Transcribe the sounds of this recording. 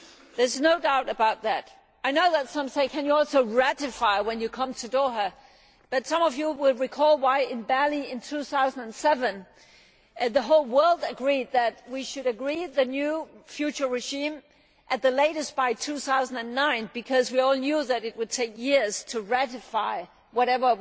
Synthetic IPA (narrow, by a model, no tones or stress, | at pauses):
ðə˞znoʊdaʊɾɨbaʊt̪̚ðæɾ | aɪnoʊðɨtsʌ̃mseɪkʰɨ̃njɨɔlˠsoʊɹæɾɨfaɪwɨ̃njɨkʰʌ̃mtʰɨdɔə | b̥ʌtsʌ̃mʌvjɨwɪlˠɹikʰɔlˠwaɪɨ̃nbælˠiɪ̃ntʰuθaʊzn̩dɨ̃nsɛvɨ̃n | ðəɦoʊlˠwɜ˞lˠdɨɡɹid̪̚ðɨt̚wiʃɨɾɨɡɹiðɨnjʉfjʉt͡ʃə˞ɹɨʒĩm | ʔɨt̪̚ðɨleɪɾɨsb̥aɪtʰʉθaʊz̃n̩dɨ̃nːãɪ̃nb̥ɨkʰʌzwiɔlˠnjuðɨɾɨt̚wɨd̚tʰeɪkjɪɹz̥tʰɨɹæɾɨfaɪ | wʌɾɛvə˞